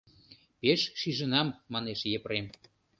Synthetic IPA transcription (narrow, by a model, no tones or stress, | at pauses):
peʃʃiʒə̆nɑmːɑneʃjepɾem